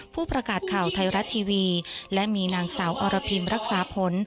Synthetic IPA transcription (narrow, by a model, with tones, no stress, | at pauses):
pʰuː˥˩pɾa˧kaː˨˩t̪̚kʰa˨˩wt̪ʰa˧jɾa˦˥t̪ʰːiː˧wiː˧lɛ˦˥ʔmiː˧naː˧ŋsaː˩˦wʔɔː˧ɾa˧pʰi˧mɾa˦˥k̚saː˩˦pʰo˨˦n